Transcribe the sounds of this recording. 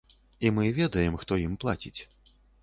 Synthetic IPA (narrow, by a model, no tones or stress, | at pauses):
imɨvʲɛd̪ɐjɛmxt̪ɔjimplˠat͡sʲit͡sʲ